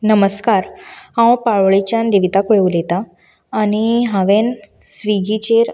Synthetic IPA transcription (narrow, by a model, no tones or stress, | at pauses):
nəməskaɾhãwpaɭɭit͡ɕãnd̪iʋit̪akʋeulet̪aː | ñiɦaʋensʋiɡit͡ɕeɾ